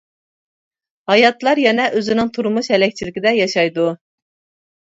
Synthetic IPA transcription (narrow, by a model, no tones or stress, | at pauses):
hɑjɑt̪lˠɑɾjɛnɛʔøzɪnɪŋt̪ʰuɾmuʃhɛlɛk̚ʲt͡ʃʰilɪkʲɪd̪ɛjɑʃɑjd̪u